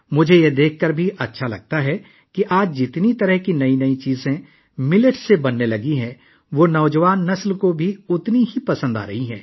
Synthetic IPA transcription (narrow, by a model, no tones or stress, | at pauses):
mʊd͡ʒʱejed̪eːkʰːɐɾbʱiʔɐtːʃʰalɐ̰ɡ̚t̪aɦɛ | kiʔaːd͡ʒd͡ʒɪt̪nit̪ɐɾəɦkinɐinɐit͡ʃiːzẽ | mɪləʈsebɐnːelɐɡiɦɛ̃ | ʋonɐʊd͡ʒəʋaːnːɐslkobʱiʊt̪niɦipɐsə̃nd̪a̰ːɾɐɦiɦɛ̰̃ː